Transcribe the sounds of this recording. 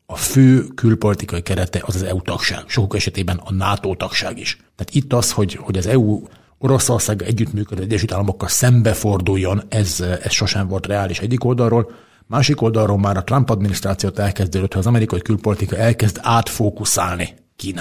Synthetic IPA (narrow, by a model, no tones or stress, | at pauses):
ɒføːkylpo̞lit̪ikɒikɛɾɛt̪ɛʔɒzɒzɛut̪ɒkʃa̰ːɡ̥ʃo̞kukɛʃɛt̪eːbɛnɒnaːt̪oːt̪ɒkʃa̰ːɡiʃt̪ɛaːt̪it̪ːɒsho̞ɟho̞ɟɒzɛuː | o̞ɾo̞so̞rsaːɡɒɛɟːyt̪myːkød̪øːɛɟːɛʃyːt̪aːlːɒmo̞kːɒlsɛmbɛfo̞rd̪ujːo̞nɛzɛsʃo̞ʃɛɱvo̞lt̪rɛaːliʃɛɟːiko̞ld̪ɒlroːl | maːʃiko̞ld̪ɒlrolmaːɾɒt̪rɒmpɒd̪minist̪raːt̪sijoːt̪ɛlkɛzd̪øːd̪øt̪hɒzɒmɛɾikɒjikylpo̞lit̪ikɒɛlkɛzd̪aːt̪foːkusaːlni | kiːna